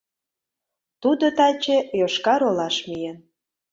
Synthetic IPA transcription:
t̪ud̪ot̪ɑt͡ɕejoʃkɑɾolɑʃmijen

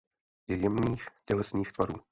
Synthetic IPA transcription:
jɛjɛmniːxcɛlɛsɲiːxt̪vaɾuː

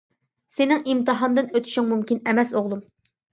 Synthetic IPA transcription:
senɪŋimt̪ɨɦɑnd̪ɨnøt̪ʰy̥ʃiŋmumkʲinɛmɛsoʁlˠum

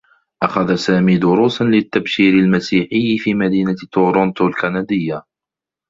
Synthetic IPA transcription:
ʔaxaðasaːmiːd̪ʊɾuːsanlɪt̪ːabʃiːɾɪlmasiːħɪjːɪfiːmad̪iːnat̪ʊɾʊnt̪ʊlkanad̪ɪjːa

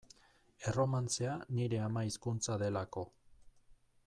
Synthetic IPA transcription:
e̞ro̞mant͡seaniɾe̞amaiskunt͡saðe̞lako̞

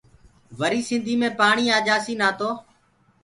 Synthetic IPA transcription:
ʋəɾiːsɪ̃nd̪ʱiːmẽːpaːɳiːaːd͡ʒaːsiːnaːt̪oː

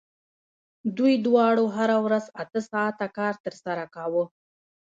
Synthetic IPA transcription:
d̪ujd̪wɑɽoɦaɾawɾazat̪əsɑt̪akɑɾt̪əɾsaɾakawə

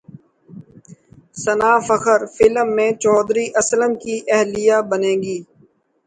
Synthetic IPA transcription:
sənaːfəxʰəɾfɪləmːẽt͡ʃɔːd̪ɾiʔɐslənkiʔɛɦlijaːbənẽːɡiː

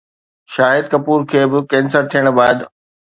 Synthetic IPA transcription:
ʃaːɦɪd̪̚kɐpuːɾkʰeːbɪkɛ̃ːnsəɾt̪ʰijəɽ̃baːd̪

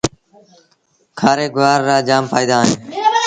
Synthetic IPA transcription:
kʰaːɾeːɡʊʋaːɾːaːd͡ʒaːmpaːiːd̪aːɦẽː

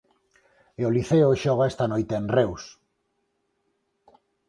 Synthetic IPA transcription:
eoliθeoʃɔɣ̞aest̪anojt̪eːnrews

